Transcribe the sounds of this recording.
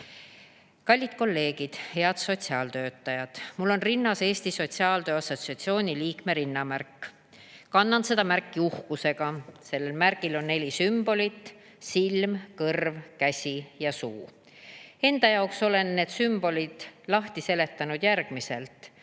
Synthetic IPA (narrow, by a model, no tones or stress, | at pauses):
kɑlʲːid̪̥ko̞lːe̞ːɡ̥id̪̥he̞ɑd̪so̞t̪ʲsiɑːlt̪øːt̪ːɑjɑd̪̥mulːo̞nrinːɑse̞ːst̪iso̞t̪siɑːlt̪øːɑsːo̞t̪siɑt̪sio̞ːnʲiliːkme̞ɾinːɑmærkˑː | kɑnːɑnse̞d̪̥ɑmærkˑːiuhkuse̞ɡ̥ɑse̞lːe̞lmærɡ̥ilo̞nnːe̞lʲisymb̥o̞lʲit̪ːˑ | silmkɤrvkæsʲijɑsuː | e̞nd̪̥ɑjɑokso̞le̞nːe̞ːd̪̥symb̥o̞lid̪̥lɑht̪ise̞le̞t̪ːˑɑnud̪̥jærɡ̥mise̞̰lt̪